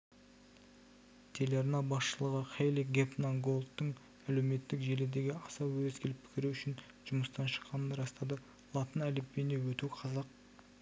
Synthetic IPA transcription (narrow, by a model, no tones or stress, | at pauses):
t̪ʲʰe̞lʲeɾnɑbɑsʃəlˠəʁəqʲejlˠiɡʲepnaŋɡo̞lˠt̪ːəɴ | æle̞wme̞t̪ːɪkʒe̞lɪd̪e̞ɡʲɪɑsɑwɵzkʲʰe̞lɪp̚pʰɪ̥kʲɪɾuʏʃɪn | ʒ̥ʊməst̪ɑnʃə̥qːɑnənɾɑst̪ɑd̪ə | lˠɑt̪ənælepːenewɵt̪uqʰɑzɑq̚